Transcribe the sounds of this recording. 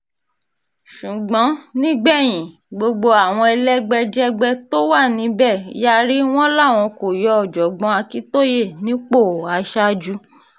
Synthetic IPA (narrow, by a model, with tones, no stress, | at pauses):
ʃu˨ɡ͡bɔ̃˨˦nĩ˦ɡ͡bɛ˦˨j̃ĩ˨ | ɡ͡bo˧ɡ͡bo˧a˨w̃ɔ̃˧ɛ˧lɛ˦ɡ͡bɛ˧d͡ʒɛ˦ɡ͡bɛ˦to˦wa˦˨nĩ˨˦bɛ˦˨ja˦ɾi˦w̃ɔ̃˦la˦˨w̃ɔ̃˧ko˨jɔ˨˦ɔ˨d͡ʒɔ˨ɡ͡bɔ̃˧˦a˧ki˦to˦je˦˨nĩ˨˦k͡po˦˨a˨˧ʃa˦d͡ʒu˧˦